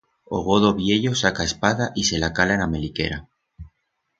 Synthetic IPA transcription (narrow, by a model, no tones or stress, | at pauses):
o̰ɣ̞o̞ðoβje̞ʎo̞sakae̞spaðaʔise̞lakalaename̞like̞̰ɾa